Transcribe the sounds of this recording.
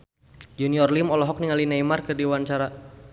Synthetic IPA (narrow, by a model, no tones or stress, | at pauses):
d͡ʒuniɔrlimɔlɔɦɔk̚niŋalinajmarkərdiwant͡ʃaɾa